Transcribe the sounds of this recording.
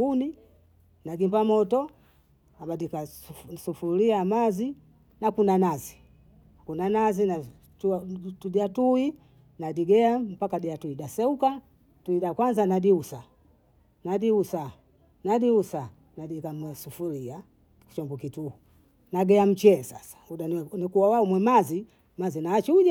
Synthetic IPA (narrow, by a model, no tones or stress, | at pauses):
uni | naɡimbamɔtɔ | abadikasufuliamazi | nakunanazi | kunanazina | ttudiatui | nadiɡɛam̩pakadiatuiɗasɛuka | tuidakwanzanadiusa | nadiusa | nadiusa | nadikamasufulia | ku̥t͡ʃɔmbukituhu | naɡɛam̩t͡ʃɛːsa̰sḁuɗanikuwawaumwɛmazi | mazinaat͡ʃiua